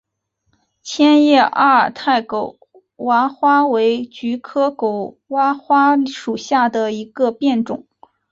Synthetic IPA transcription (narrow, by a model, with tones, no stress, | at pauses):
t͡ɕʰjɛ˥njɛ˥˩˧ʔa˥˩ə˨˩t̪ʰa˥˩ɪko˨˩ʊ | wa˧˥xwa˥we˧˥ɪt͡ɕy˧˥kʰɤ˥ko˨˩ʊ | wa˥xwa˥ʂu˨˩ɕja˥˩d̪ə˩i˧˥ɡ̥ə˧pjɛ˥˩nʈ͡ʂʊ̰˨˩˦